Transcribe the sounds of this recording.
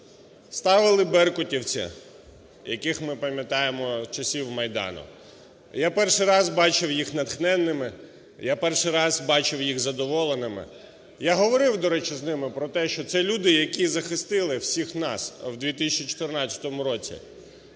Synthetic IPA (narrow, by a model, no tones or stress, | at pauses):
st̪ɑʋɪlˠɪbɛrkʊtʲiwt͡sʲḭ | jɐkɪxmɪpɐmʲjɐt̪ɑjemɔt͡ʃɐsʲiwmɐjd̪ɑ̰nʊ̰ | japɛrʃɪjɾɑzbɑt͡ʃɪwjixnɐt̪xnɛnːɪmɪ | japɛrʃɪjɾɑzbɑt͡ʃɪwjiɣzɐd̪ɔʋɔlˠenɪmɪ̰ | jaɦɔʋɔɾɪwd̪ɔɾɛt͡ʃɪznɪmɪpɾɔt̪ɛʃt͡ʃɔt̪sɛlʲud̪ɪjɐkʲizɐxɪst̪ɪlˠɪwsʲixnɑ̰swd̪ʲʋʲit̪ɪsʲɐt͡ʃit͡ʃɔ̥t̪ɪrnɑt͡st͡sʲɐ̥t̪ɔmʊɾɔt͡sʲḭ